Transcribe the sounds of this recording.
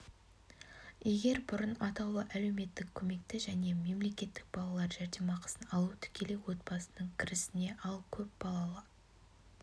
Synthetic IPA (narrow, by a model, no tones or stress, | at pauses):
je̞ɡʲe̞ɾbʊɾənɑt̪ɑw̪ˠəʔæle̞wme̞t̪ːɪkʲʰːɵme̞kt̪ɪʒæne̞me̞mle̞kʲe̞t̪ːɪ̥k̚bɑlˠɑlˠɑɾʒæɾd̪emɑqʰə̥sənɑlˠut̪ʰʏ̥kʲʰe̞le̞wo̞t̪̚bɑsənəɴkʲʰɪɾɪsɪne̞ʔɑlˠkʲʰɵp̚bɑlˠɑlˠɑ